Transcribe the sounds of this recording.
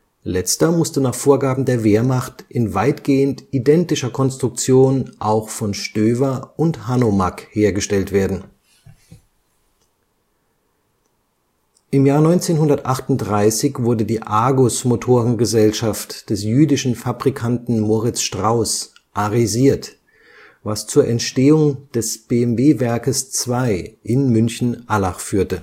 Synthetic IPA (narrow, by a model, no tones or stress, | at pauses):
lɛt͡stɐmʊstənaːχfoːɐɡaːbm̩deːɐveːɐmaχtʔɪnvaɪtɡ̥eːəntʔidɛntɪʃɐkʰɔnstʁ̥ʊk̚t͡sjoːnʔaʊxfɔnʃtøːvɐʔʊnthanomakheːɐɡəʃtɛltv̥eːɐdn̩ | ʔɪmjaːɐnɔʏnt͡seːnhʊndɐtʔaχtʊnt̚dʁaɪsɪçv̥ʊɐdədiːʔaːɡʊsmotʰoːʁənɡəzɛlʃaftd̥ɛsjyːdɪʃn̩fabʁikʰantn̩moːʁɪt͡sʃtʁ̥aʊs | ʔaʁiziːɐt | vast͡suːɐʔɛntʃteːʊŋd̥ɛsb̥eɛmveːvɛɐkəst͡sv̥aɪʔɪnmʏnçn̩ʔalaχfyːɐtə